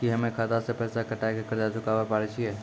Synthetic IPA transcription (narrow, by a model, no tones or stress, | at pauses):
kiɦəmẽkʰaːd̪asepɛːsakəʈaːekekəɾd͡ʒat͡ʃʊkaːʋapaːɾet͡ʃʰieː